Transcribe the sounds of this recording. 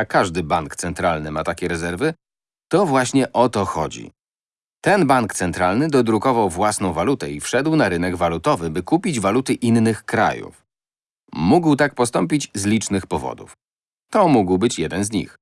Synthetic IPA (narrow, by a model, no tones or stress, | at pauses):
akaʐd̪ɘbaŋkt̪sɛnt̪ɾalnɘmat̪akʲɛɾɛzɛɾvɘ | t̪ɔvwaɕɲɛʔɔt̪ɔxɔ̰d͡ʑḭ | t̪ɛnbaŋkt̪sɛnt̪ɾalnɘd̪ɔd̪ɾukɔvawvwasnɔ̃w̃valut̪ɛifʂɛd̪wnaɾɘnɛɡvalut̪ɔvɘbɘkupʲid͡ʑvalut̪ɘʔinːɘxkɾa̰jṵf | muɡwt̪ak̚pɔst̪ɔmpʲid͡ʑzlʲit͡ʂnɘxpɔvɔ̰d̪ṵf | t̪ɔmuɡwbɘt͡ɕjɛd̪ɛnzɲḭx